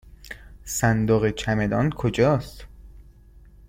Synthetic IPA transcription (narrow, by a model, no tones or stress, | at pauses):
sænd̪oɣet͡ʃʰæme̞d̪ɒːnkʰod͡ʒɒːst̪